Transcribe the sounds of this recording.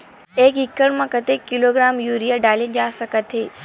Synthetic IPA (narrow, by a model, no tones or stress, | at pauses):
eːkɦɪkːəɽmãkɐt̪ekːɪloɡɾaːmjuːɾijaɖaːled͡ʑaːsɐkət̪ʰɦeː